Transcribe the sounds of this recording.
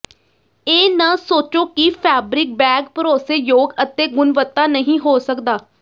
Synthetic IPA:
eːnãːsoːt͡ʃoːkipʰɛːbɾɪk̚bɛːɡ̚pəɾoːseːjoːɡət̪eːɡʊnʋət̪ːaːnəɦĩːɦoːsəkd̪aː

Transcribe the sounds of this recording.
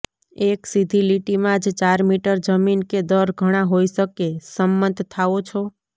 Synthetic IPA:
eksid̪ʱiliʈimãd͡ʒt͡ʃaɾmiʈəɾd͡ʒəminked̪əɾɡʱəɽ̃ãɦoisəkesəmːənd̪ʱt̪ʰːaot͡ʃʰo

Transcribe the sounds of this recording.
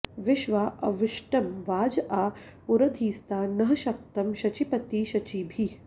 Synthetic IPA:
ʋɪʃʋaːʔɐʋɪʃʈɐmʋaːd͡ʒaːpuɾɐd̪ʱiːst̪aːnɐɦɐʃɐk̚t̪ɐmʃɐt͡ʃipɐt̪iːʃɐt͡ʃiːbʱi

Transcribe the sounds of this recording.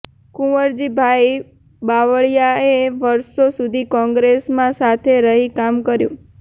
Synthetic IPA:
kũʋəɾd͡ʒibʱaj | baʋəɭjaeʋəɾʃosud̪ʱikɔ̃ŋɡɾesmãsat̪ʰeɾəɦikamkəɾjũ

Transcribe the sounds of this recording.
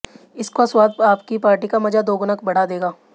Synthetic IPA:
ɪskaswaːd̪̚aːpkipaːɾʈikamɐd͡ʒad̪oːɡʊnəkbɐɽ̤ad̪eːɡaː

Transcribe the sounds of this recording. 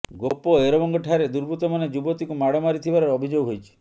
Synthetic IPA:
ɡopɔeɾɔbɔŋɡɔʈʰaɾed̪uɾbʱut̪ɔmaned͡ʒubɔt̪ikumaɽɔmaɾit̪ʰibaɾeɾɔbʱid͡ʒoɡɦojt͡ʃʰi̥

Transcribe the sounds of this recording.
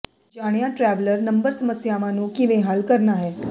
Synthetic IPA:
d͡ʒaːɽ̃jãʈɾɛʋləɾnəmbəɾsəməsjaʋãnũːkiʋẽɦalkəɾnaɦɛː

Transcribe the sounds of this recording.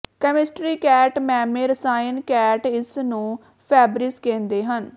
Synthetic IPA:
kəmɪsʈɾiːkɛːʈmɛːmẽːɾəsaːjənkɛːʈɪsnũː | pʰɛːbɾɪskẽːnd̪eːɦən

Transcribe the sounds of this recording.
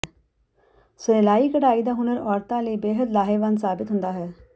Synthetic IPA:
səeːlaːiːkəʈaːid̪aːɦʊnəɾɔːɾt̪ãːləiːbeːɦəd̪laːɦeːʋənsaːbɪt̪ɦʊ̃nd̪aːɦɛː

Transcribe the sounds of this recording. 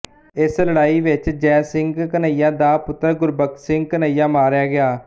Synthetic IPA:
ɪsləɽaːiːʋɪt͡ʃd͡ʒɛːsɪŋɡkənaijãːd̪aːpʊt̪ːəɾɡʊɾbəksɪ̃ŋɡ̚kənaːijãːmaːɾjaːɡɪaː

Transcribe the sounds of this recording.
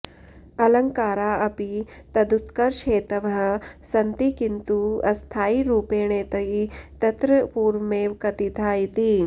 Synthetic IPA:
ɐlɐŋkaːɾaːɐpit̪ɐd̪ut̪kɐɾʃeːt̪ɐʋɐɦɐsɐnt̪ikint̪uɐst̪ʰaːiɾuːpeːɳeːt̪ɐɦit̪ɐt̪ɾɐpuːɾʋmeːʋkɐt̪it̪ʰaːit̪i

